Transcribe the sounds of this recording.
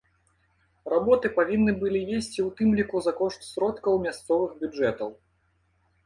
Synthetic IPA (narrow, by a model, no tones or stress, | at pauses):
rabɔt̪ɨpavʲinːɨbɨlʲijʲesʲt͡sʲiwt̪ɨmlʲikuzakɔʂt̪sʲɾɔt̪kɐwmʲast̪sɔvɨxbʲud͡ʐɛt̪ɐw